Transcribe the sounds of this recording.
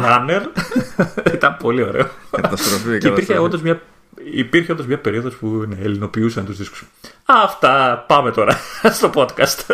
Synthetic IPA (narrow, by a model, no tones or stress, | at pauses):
ɾɐneɾ | it̪ɐmpo̞lio̞ɾe̞̰oɐt̪ɐst̪ɾofieipiɾçeo̞nd̪ɐzmɲɐ | ipiɾçeond̪ozmɲɐpe̞ɾioðo̞spuineːlino̞piusɐnet̪uzðisku̥s | ɐft̪ɐpɐmet̪o̞ɾɐst̪o̞po̞t̪kɐst̪